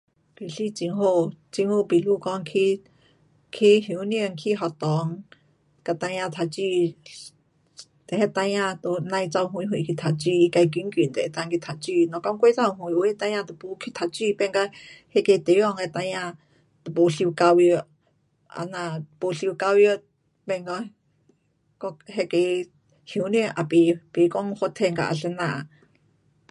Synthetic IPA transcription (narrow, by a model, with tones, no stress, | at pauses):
pi˨ɬi˧t͡ʃi˧ŋɦo˧˨t͡ʃi˧ŋho˧˨pi˨lu˧˨kɔ˧˦ŋkʰi˧ | kʰi˧ɦi˧˨u˧nĩ˧ə˧˨ŋkʰi˧ɦɔ˧˨t̪ɔ˨ŋ | ka˧t̪a˧j̃ã˧t̪ʰa˨t͡ʃi˧ | t̪ɛ˨hɛ˧t̪a˧jã˧t̪o˧nã˧jt͡sa˧wɦũ˧jɦũ˧˨˧kʰi˧t̪ʰa˨t͡ʃi˧˨i˧ka˧k̬i˧˦ŋki˨nt̪ɛ˨˧t̪a˧ŋki˧t̪ʰa˨t͡ʃi˧nɔ̃˨kɔ˧˦ŋkʷe˧˦t͡sa˧˨˧ɦũ˧˨jo˧e˦t̪ã˧j̃ã˧t̪e˨pu˧kʰi˧t̪ʰa˧˨t͡ʃi˧pɛ˧ŋka˧he˧ke˧t̪e˨˧jɔ˧ŋe˧t̪a˧jã˧ | t̪pu˧ɬi˧u˧ka˧wi˧o˧ | a̰˧nã˧po˧ɬi˧wka˧wi˧o˧ | pe˧ŋɡɔ˧ | ko˧he˧ke˧ | hu˧˦nĩ˧ʔa˨pi˧pe˧kɔ˧˦ŋho˧t̪ʰe˧ŋɡa̰˧ʔa̰˧ɬe˧nã˧ʔa˧